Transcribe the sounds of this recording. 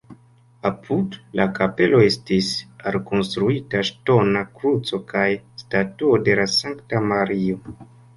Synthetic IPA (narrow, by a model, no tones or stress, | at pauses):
apʰudlakape̞lo̞e̞stisalko̞nstɾuitaʃto̞nakɾut͡so̞kʰajstatuode̞lasaŋktamaɾio̞